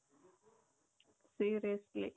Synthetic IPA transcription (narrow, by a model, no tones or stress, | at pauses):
siːɾiəslḭ